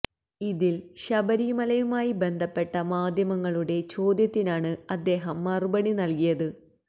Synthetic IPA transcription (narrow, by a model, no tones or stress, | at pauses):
iðilɕɐbɐɾimɐlɐjumaːjibe̞nd̪ʱɐpːe̞ʈːɐmaːd̪ʱjɐmɐŋːɐɭuɽe̞t͡ɕo̞ːd̪jɐt̪ːinaːɳɨɐd̪ːe̞ːɦɐmːɐrubɐɳinɐlkijɐðɨ